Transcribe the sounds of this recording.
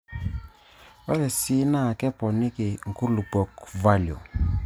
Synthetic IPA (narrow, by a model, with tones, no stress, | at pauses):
wɛ˦ɾɛ˨si˦na˦˨kɛ˦pɔ˨nɪ˦kɪ˨ŋ˨ku˦lu˨pɔ˨kva˦ljo̰˨